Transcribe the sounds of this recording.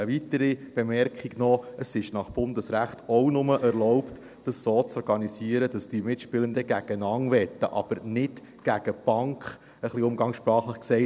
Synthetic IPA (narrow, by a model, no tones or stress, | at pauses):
əʋitəɾib̥ɛmɛrkʰχiɡnɔəsɪʃnɑχb̥ʊnd̪əsɾæχtɔwnʊməʔɛɾlɔʊpt | d̥əssoːt͡sɔɾɡɑnisiəɾəd̥ɑsd̥imɪtʃpɪlənd̪əɡæɡ̥ənɑŋʋɛtːə̰ʔɑ̰b̥əɾnɪt | ɡ̥æɡ̥əb̥ɑŋkχ | əχliʊmɡɑŋʃpɾɑːχləχksɛɪ